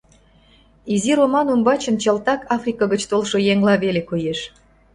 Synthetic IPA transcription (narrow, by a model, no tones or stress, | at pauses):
iziɾomɑnumbɑt͡ɕə̆nt͡ɕɑlt̪ɑkɑfrʲikɑɣət͡ɕt̪olʃojeŋlɑβelekojeʃ